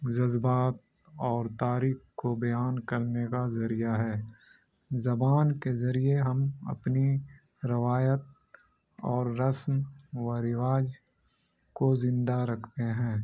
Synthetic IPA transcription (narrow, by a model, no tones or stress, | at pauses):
d͡ʒɐzbaːt̪̚ | ɔːɾt̪aːɾiːkkobɐjaːnkɐɾnekazɐɾijaɦɛː | zɐbaːnkezɐɾieɦɐmɐ̰pni | ɾɪʋaːjət̪̚ | ɔːɾːɐsmʋəɾɪʋaːd͡ʒ | kozɪ̃nd̪aɾɐkʰt̪eɦɛ̃ː